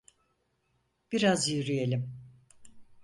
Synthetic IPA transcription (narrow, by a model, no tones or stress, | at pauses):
b̥iɾazjyɾyje̞lʲim